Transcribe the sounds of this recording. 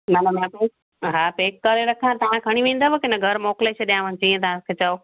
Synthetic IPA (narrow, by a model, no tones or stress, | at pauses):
mɐnɐmãpeːk̚ | ɦaːpeːkːɐɾeɾɐkʰãt̪ɐʋ̤ãkʰɐɽ̃iʋẽːn̆d̪abekɪnəɡʱɐɾmoːkɪlet͡ɕʰeɗijãʋɐɲɪt͡ɕiːẽt̪̬ɐʋ̤ãkʰeːt͡ɕaoː